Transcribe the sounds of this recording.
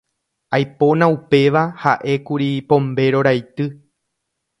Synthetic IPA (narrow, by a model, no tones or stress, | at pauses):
ajpo̞nãupe̞ʋahaʔe̞kuɾipõ̞mbe̞ɾo̞ɾajt̪ɨ